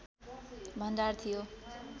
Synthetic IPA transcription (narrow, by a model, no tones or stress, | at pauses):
bʱʌnd͡zart̪ʰijo